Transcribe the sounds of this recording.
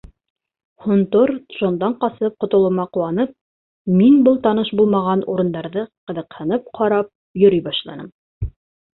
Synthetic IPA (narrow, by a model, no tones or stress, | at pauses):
hŏnt̪oɾʒ̥ond̪ɑɴqɑsɤp̚qŏt̪ŏlˠɤ̆mɑquwɑnɤp̚ | minbɤlˠt̪ɑnɤʃbulˠmɑʁɑnuɾɤ̆nd̪ɑɾðɤqɤ̆ðɤ̆qhɤ̆nɤp̚qʰɑɾɑp̚ | jɵ̆ɾijbɑʃlˠɑ̰nɤm